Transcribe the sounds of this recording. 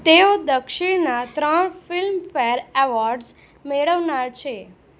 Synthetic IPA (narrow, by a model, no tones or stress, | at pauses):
t̪eod̪əkʃɪɳnat̪ɾəɳfɪlmfeɾeʋɔɾɖz | meɭəʋnaɾt͡ʃʰe